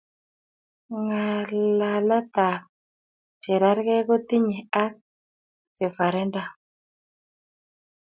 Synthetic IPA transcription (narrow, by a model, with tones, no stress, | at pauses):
ŋa˨la˨lɔ˦t̪a˨ | t͡ʃe˨ɾa˦ɾkɛ˦ko˦t̪i˦ɲi˨a˦k̚ | t͡ʃe˨fa˨ɾɛ˦nda˦